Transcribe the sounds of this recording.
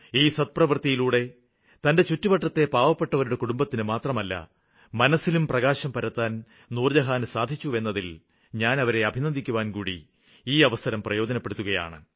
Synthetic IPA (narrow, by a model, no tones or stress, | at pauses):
iːsɐt̪̚prɐʋɐrt̪ijiluːɽe̞ | t̪ɐnde̞t͡ɕutːupɐʈːɐt̪ːe̞paːʋɐpːe̞ʈːɐʋɐɾuɽe̞kuɽumbɐt̪ːinɨmaːt̪rɐmɐlːɐ̰ | mɐnɐsːilumprɐɣaːɕɐmpɐɾɐt̪ːaːn | nuːrd͡ʑɐɦaːnsaːd̪ʱit͡ɕːue̞nːɐðil | ɲaːnɐʋɐɾe̞ɐbʱinɐnd̪ʱikʲːuʋaːnkuːɽḭ | iːɐʋɐsɐɾɐmprɐjo̞ːd͡ʑɐnɐpːeɽut̪ːuɣɐja̰ːɳɨ